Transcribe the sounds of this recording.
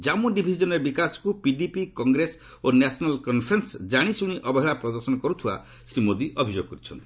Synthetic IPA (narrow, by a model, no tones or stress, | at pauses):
d͡ʒamuɖibʱid͡ʒɔnɔɾebikasɔ̥kupiɖipikɔŋɡɾes | onasɔnalkɔnpʰɾensd͡ʒaɽ̃isuɽ̃iʔɔbɔɦeɭapɾɔd̪ɔɾsɔnɔkɔɾut̪ʰiba̰ | sɾimod̪iʔɔbʱid͡ʒoɡɔkɔɾit͡ʃʰɔnt̪i̥